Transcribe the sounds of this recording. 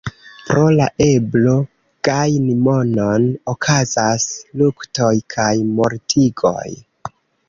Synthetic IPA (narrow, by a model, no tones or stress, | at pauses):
pɾo̞laʔe̞blo̞ | ɡ̥ajnimo̞no̞nokʰazaslukto̞jkʰajmo̞ɾtʰiɡo̞̰j